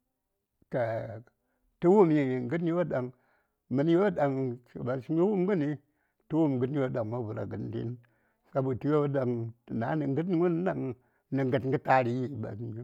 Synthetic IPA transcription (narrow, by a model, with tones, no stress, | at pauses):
ka˨ | tu˦wu˦mji˨i˨ŋ˨ɡɨ˦tn˦i˦o˦˨da˨ŋ | mɨ˨˦n˦jo˦da˨ŋt͡ʃi˨ba˨si˦wu˦mɡu˦ni˧ | tu˦wu˦m˨ɡɨ˦tn˦o˦da˨ŋma˦bu˨ɾa̰˨ɡɨ˨ndḭ˦n | ka˦bu˨tu˦jo˦da˨ŋ˨na˨˦ni˨ŋɡɨ˦t̬n˦wu˦n˦da˦ŋ | ni˨ŋɡɨ˨tŋ˦ɡɨ˦ta˦ɾi˨ji˦˨ba̰˨si˦